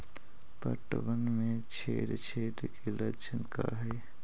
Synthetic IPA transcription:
pə̰ʈəbənmẽt͡ʃʰḛːɾt͡ʃʰeːt̪keləɾt͡ʃʰənka̰ɦɛː

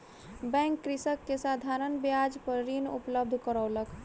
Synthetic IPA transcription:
bɛ̃ŋkːɾisəkːesad̪ʱaɾənbjad͡ʒpəɾɾinṵpləb̚d̪ʱkəɾəwlək

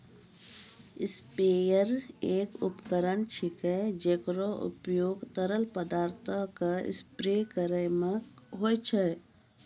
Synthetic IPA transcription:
ɪspeːjəɾeːkʊpkəɾənt͡ʃʰɪkɛd͡ʒeːkɾoʔʊ̰pjoːɡt̪əɾəlpəd̪aːɾt̪ʰəkaɪ̰spɾekəɾəjmẽɦoːjt͡ʃʰɛ

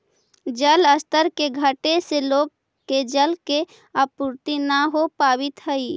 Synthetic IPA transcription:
d͡ʒələst̪əɾkeɡʱəʈeseloːɡ̚ | ked͡ʒəlke | apuɾt̪inaɦopaːbɪt̪ɦəi

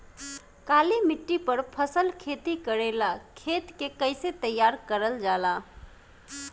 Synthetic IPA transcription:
kalimiʈːipəɾpʰəsəlkʰet̪ikəɾelakʰet̪kekəɪset̪əjːaɾkəɾəld͡ʒala

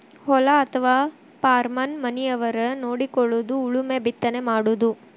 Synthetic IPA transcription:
hɔlɐːt̪ʰɐʋaː | paːɾmɐnmɐnijɐʋɐɾɐnoːɽikɔɭːud̪uːɭumebit̪ːɐnemaːɽud̪u

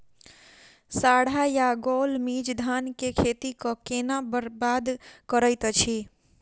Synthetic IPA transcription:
saːɽ̤ajaɡoːlmid͡ʒd̪ʱaːnkekʰeːt̪ikɔkenabad̪kəɾəɪt̪t͡ʃʰi

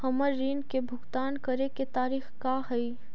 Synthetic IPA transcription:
hɐməɾːiːnkebʱʊɡt̪aːnkɐɾeket̪aːɾiːxkahɐi

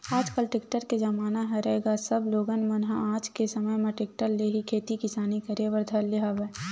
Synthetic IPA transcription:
aːd͡ʒkəlʈekʈəɾked͡ʒəmaːnaɦɛɾəɦeːɡasəbloːɡənmənɦaaːd͡ʒkesəməjmẽʈɪk̚ʈəɾleɦikʰeːt̪ikɪsaːnikəɾeʋəɾd̪ʱəɾleɦaʋe

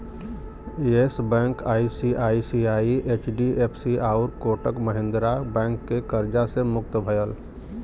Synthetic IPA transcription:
esbɛ̃ŋkaːisiʔaːisiaiʔet͡ʃɖiepʰsiaʊɾkoʈəkməɦẽnd̪ɾabɛ̃ŋkːekəɾd͡ʒasemʊk̚t̪əbʱəjəl

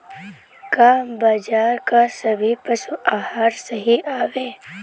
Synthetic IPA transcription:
kaːmbaːd͡ʒaːɾkasɐbʱipɐsuʔaːhaːɾsəɦiʔaːʋeː

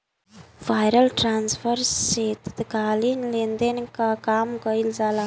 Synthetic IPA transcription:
v̥ajɾalʈransvɛɾsːet̪u̥t̪iɡalinilent̪enikakamukailizala

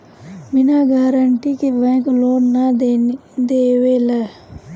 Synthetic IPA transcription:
mɪnaɡaːɾəɳʈikebɛ̃ːkloːnnad̪d̪eːʋelɛ

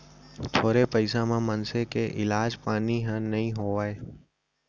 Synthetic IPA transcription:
t̪ʰoːɾepəjsamãmənsekeʔɪlad͡ʒpaniɦãnəɦĩɦoʋaj

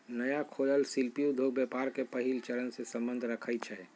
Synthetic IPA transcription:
nəjakʰoləlsilpijud̪ʱoɡbjɛpaɾkepəɦilt͡ʃəɾənsẽsəmbənd̪ʱɾəkʰəjt̪̚t͡ʃʰɛ

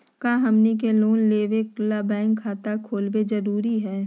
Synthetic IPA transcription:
kaːɦɐmnik̬eloːnleːʋeklabɛ̃ːŋkʰːaːt̪akʰoːlbed͡ʒɐɾuːɾiɦɛː

